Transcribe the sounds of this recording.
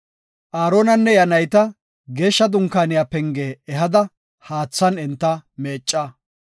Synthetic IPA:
ʔaːɾoːnɐnːɛjɐnɐjt̪ɐ | ɡe̞ːʃːɐd̪ʊŋkaːnɪjaːpɛŋɡeːɛɦɐd̪ɐ | haːt͡sːɐnɪnt̪ːɐme̞ːt͡ʃʼːɐ

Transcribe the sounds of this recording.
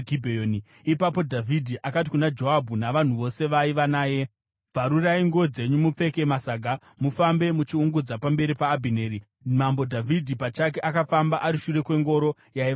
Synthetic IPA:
ɡʱibʱeoːni | ipapo̞dʱavʱidʱiʔakat̬ikunad͡ʒo̞ɦabʱunaʋan̤uʋo̞se̞ʋaiʋanaːje̞ | b͡vʱaɾuraiŋɡod͡ze̞ɲumup͡fe̞ke̞masaːɡʱa | mufambe̞mut͡ʃiuŋɡud͡zapambe̞ɾipaːbʱine̞ːɾi | mambo̞dʱavʱidʱipat͡ʃake̞ʔakafambaʔaɾiʃure̞kwe̞ŋɡo̞ɾo̞ | jai

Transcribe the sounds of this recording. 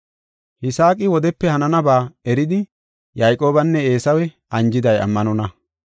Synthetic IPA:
hɪsaːkʼɪwɔd̪ɛpːɛhɐnɐnɐbaːɛɾɪd̪ɪ | jajkʼo̞ːbɐnːɛe̞ːsɐwɛ | ɐnd͡ʒɪd̪ɐjɐ̰mːɐnɔnɐ

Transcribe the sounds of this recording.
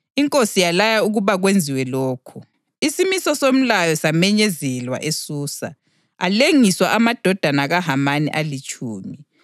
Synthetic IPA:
iŋkʼosijalajauɣuβaɣwend͡zʱiwɛlɔːkʰɔ | isimisɔsom̩lajɔsamɛɲɛzɛlwa̰ʔesuːsa̰ | aleŋiswaʔamad̥ʱɔd̥ʱanaɣaɦamanḭʔalit͡ʃʼuːmi

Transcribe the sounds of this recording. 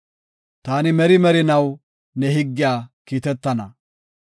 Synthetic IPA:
t̪aːnɪmɛɾɪmɛɾɪnɐw | nɛɦɪɡːɪjaːkiːt̪ɛt̪ːɐnɐ

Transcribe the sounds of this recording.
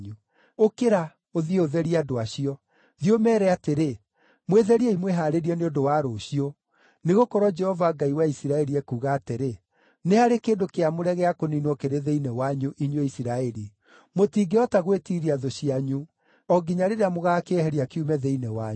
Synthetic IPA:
ɲu | okeɾa | oðieoðɛɾiadoaɕiɔ | ðiomɛːɾɛateɾe | mweðɛɾiɛimweɦaːɾeɾiɔneondowaːɾoɕio | neɣokɔɾwɔd͡ʒɛhɔvaːɡaiwaisiɾaɛɾiɛkuːɣaːteɾe | nehaɾekeːndokeamoɾɛɣɛakoninwɔkeɾeðeinɛwaɲuʔiɲeisiɾaɛɾi | motiːɡeɔtaɣwetiɾiaðoɕiaɲu | ɔɡiɲaɾeɾeamoɣakeɛhɛɾiakeumɛðeinɛwa

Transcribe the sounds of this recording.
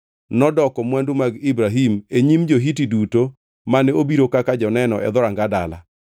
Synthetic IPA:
nɔdɔkɔmwandumaɡibɾaɦimeɲimd͡ʒoɦitiduto | manɛobiɾokakad͡ʒɔnɛnɔʔɛ̰d̪ɔɾaŋɡada̰la̰

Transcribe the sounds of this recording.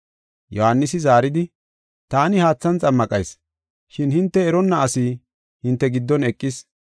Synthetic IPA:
jɔhanːɪsɪzaːɾɪd̪ɪ | t̪aːnɪhaːt͡sːɐnt͡sʼɐmːɐkʼɐjs | ʃɪnhɪnt̪ːɛːɾɔnːɐːsi | hɪnt̪ːɛɡɪd̪ːɔnɛkʼːɪs

